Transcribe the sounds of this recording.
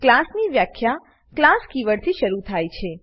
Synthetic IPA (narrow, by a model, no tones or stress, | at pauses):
klasniʋjakʰja | klaskiʋəɽt̪ʰiʃəɾut̪ʰajt͡ʃʰe